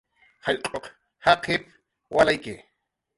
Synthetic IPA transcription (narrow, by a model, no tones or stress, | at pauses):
haʎqʼoq | haqɪp | walajkɪ